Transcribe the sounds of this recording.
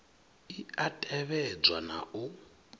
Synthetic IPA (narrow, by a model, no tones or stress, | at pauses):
iatʼɛβɛd͡zwana̰ʔu